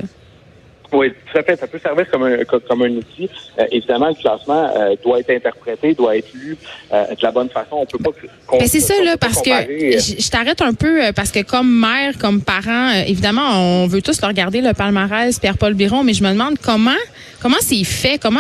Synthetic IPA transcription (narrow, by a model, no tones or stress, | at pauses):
wit̪u̥t̪afɛsapøsɛʁviːʁkɔmɛ̃kɔkɔmɛ̃nut̪iø̰ʔevid̪amɑ̃ləklɑːsmɑ̃ø̰d̪waɛt̪χɛ̃t̪ɛʁpχet̪ed̪waɛːt̪χlyø̰d̪əlabɔnfasɔ̃ɔ̃pøpɔ | kɔ̃bɛsɛsʌlʌpaʁsəkəaʁeʒʒət̪aʁɛt̪œ̃pøøpaʁsə̥kəkɔmːɛːʁkɔmpaʁɑ̃øʔevid̪amɑ̃ɔ̃ɔ̃vøt̪ʊsləʁɡaʁd̪eləpalmaʁɛɪzpjɛʁpɔlbiʁɔ̃mɛʒəməd̪əmɑ̃d̪kɔmɑ̃ | kɔmɑ̃sefɛkɔmɑ̃